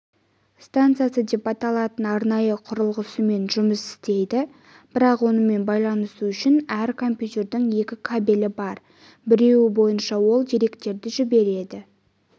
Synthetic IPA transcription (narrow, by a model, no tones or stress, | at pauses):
st̪ant̪sɨijasəd̪e̞pɑt̪ɑlˠɑt̪ənɑɾnɑjəqʰʊɾəlˠʁəsəme̞nʒʊməsɪ̥st̪e̞jd̪ɪ | b̥ɪɾɑqwo̞nəme̞nbɑjlˠɑnəsuʏʃɪnæɾkʰo̞mpjut̪ʲe̞ɾd̪ɪŋje̞kʲɪkʰabelɪbɑɾ | bɪɾe̞wɪbo̞jənʃɑwo̞lˠd̪eɾe̞kt̪e̞ɾd̪ɪʒɪbe̞ɾe̞d̪ɪ